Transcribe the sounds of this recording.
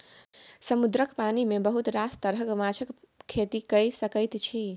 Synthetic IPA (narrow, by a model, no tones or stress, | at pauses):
səmud̪ɾəkpanimebəɦut̪ɾast̪əɾɦəkmat͡ʃʰək | kʰːet̪ikəjsəkəjt̪t͡ʃʰi